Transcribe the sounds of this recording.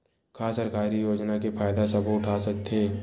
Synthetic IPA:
kʰaːsəɾkaːɾijoːd͡ʒnakefʰaːjd̪asɐbʱoʊʈʰasɐk̚t̪ʰeː

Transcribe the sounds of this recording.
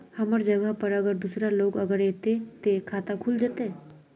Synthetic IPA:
həməɾd͡ʒəɡəɦpəɾəɡəɾd̪usɾaloːɡəɡəɾeːt̪et̪ekʰaːt̪akʰʊld͡ʒat̪eː

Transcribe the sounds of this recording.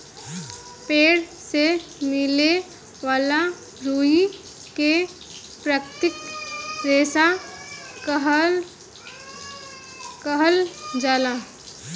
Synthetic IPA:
peːɽsemɪle | ʋaːla | ɾuːi | ke | pɾəkt̪ɪk̚ɾeːsa | ɦ | kəɦəld͡ʒaːla

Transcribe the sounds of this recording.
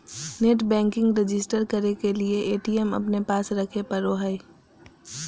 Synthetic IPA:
neːʈbɛ̃ːŋkɪ̃ŋɡɾed͡ʒɪsʈəɾkɐɾekelieʔeːʈiːɛmɐ̰pnepaːsɾɐkʰepɐɾoɦai

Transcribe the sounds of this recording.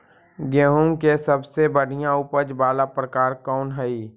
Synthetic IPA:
ɡɛːɦũŋkesəbsebəɽ̤ijãʊpəd͡ʒbaːlapɾəkaːɾkɔːnɦɛi

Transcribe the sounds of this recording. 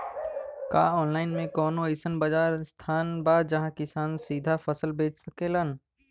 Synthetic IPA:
ka̰ːɔːnlaːɪnmẽkɔːnõɪsənbɐd͡ʒaːɾst̪ʰaːnbaːd̪̚d͡ʒɐɦãkɪsaːnsiːd̪ʱafəsəlbeːt͡ʃsɐkelən

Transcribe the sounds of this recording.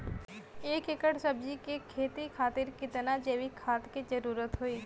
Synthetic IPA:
eːkekəʈsɐbd͡ʒikekʰeːt̪ikʰaːt̪ɪɾkɪt̪nad͡ʒeːʋikʰaːt̪kid͡ʒɐɾuːɾət̪ɦoiː

